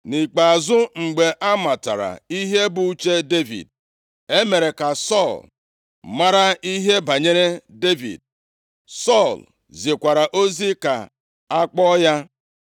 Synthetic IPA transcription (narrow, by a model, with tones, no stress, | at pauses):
ni˨k͡pa˨a˨zʊ˦ŋ͡m̩˨ɡ͡be˨ʔa˦ma˨ta̰˨ɾa̰˨i˦ɦe˦bʊ˨˦t͡ʃe˦de˦vḭ˨d̚ | e˦me˨ɾe˨ka˨sɔ˦˨l | ma˦ɾa˦i˦ɦe˦ba˨ɲe˦ɾe˦de˦vḭ˨d̚ | sɔ˦˨l | zi˨kʷa˨ɾa˨ʔo˦zi˦ka˨ | a˦k͡pɔ˦ja˦